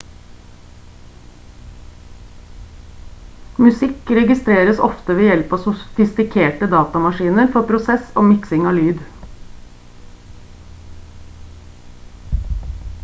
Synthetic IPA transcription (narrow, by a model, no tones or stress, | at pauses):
mʉsɪkɾɛɡɪst̪ɾeːɾəsɔ̰ft̪əʋeːjɛlpɑːsʊfɪst̪ɪkʰeːʈəd̪ɑːt̪ɑmɑʃiːnəɾfɔpʰɾʊsɛso̰ːmɪksɪŋɑːlyːd̪